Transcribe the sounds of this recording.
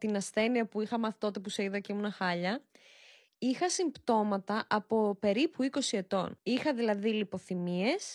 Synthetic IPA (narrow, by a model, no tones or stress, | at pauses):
t̪inɐsθe̞niɐpuixɐmɐθit̪o̞t̪epuseiðɐceimunɐxɐʎɐ | ixɐsimbt̪o̞mɐt̪ɐʔɐpo̞pe̞ɾipuiko̞sie̞t̪o̞̰nixɐðilɐðilipo̞θimie̞s